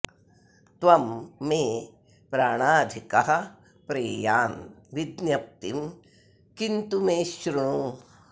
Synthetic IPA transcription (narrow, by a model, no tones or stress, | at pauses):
t̪ʋɐmːeː | pɾaːɳaːd̪ʱikɐɦɐ̆ | pɾeːjaːnʋid̪njɐp̚t̪im | kint̪umeːʃɾuɳu